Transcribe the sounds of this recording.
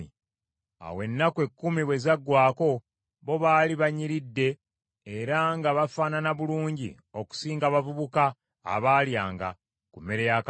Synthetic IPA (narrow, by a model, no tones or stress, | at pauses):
i | a̰we̞nːakwe̞kːumiβwe̞zaɡːwaːko̞ | βo̞βaːliβaɲiɾidːe̞ː | ɾaŋɡaβafaːnanaβuluːɲɟḭ | o̞ku̥siːŋɡaβavuβuka̰ː | βaːljaːŋɡa̰ | kumːeɾejak